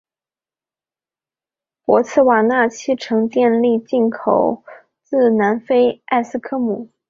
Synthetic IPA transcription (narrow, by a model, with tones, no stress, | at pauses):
pwɔ˧˥t͡sʰɹ̩˥˩wa˨˩na˥˩t͡ɕʰi˥ʈ͡ʂʰɤ˧˥ŋt̪jɛ˥˧nli˥˧t͡ɕi˥˩nkʰo˨˩ʊ | t͡sɹ̩˥˩na˧˥nfe˥ɪa˥˧ɪsɹ̩˥˧kʰɤ˥mu˨˩˦